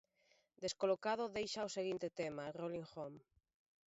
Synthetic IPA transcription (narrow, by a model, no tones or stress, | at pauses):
d̪eskolokað̞ʊðejʃaoseɣ̞int̪et̪emaroliŋxom